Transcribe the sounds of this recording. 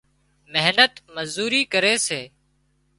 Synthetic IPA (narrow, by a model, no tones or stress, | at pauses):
mɪɦnət̪məzuːɾiːkəɾeːseː